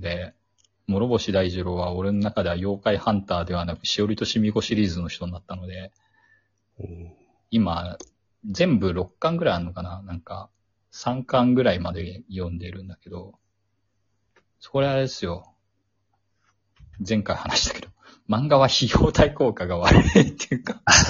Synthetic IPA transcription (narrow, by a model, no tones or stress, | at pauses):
d̪e̞ | mo̞ɾo̞bo̞ɕid̪aiʑiɾo̞ːβao̞ɾe̞no̞nakad̪e̞βajo̞ːkaihãnt̪aːd̪e̞β̞anakɯ̟̥ɕio̞ɾʲit̪o̞ɕimʲiɡo̞ɕiɾʲiːzɨno̞ç̥t̪o̞ɲ̟nat̪ːano̞d̪e̞ | ima | zẽ̞mbɯ̟ɾo̞kkːãŋɡɯ̟ɾaianokananãŋka̰ | sãŋkãŋɡɯ̟ɾaimad̪e̞jõ̞nd̪e̞ɾɯ̟̃nd̪ake̞d̪o̞ | so̥ko̞ɾeaɾesɨjo̞ | zẽ̞ŋkaihanaɕi̥t̪ḁke̞d̪̥o̞ | mãŋɡaβaçijoːt̪ʰaiko̞ːkaɡaβaɾɯɯit̪ːejɯka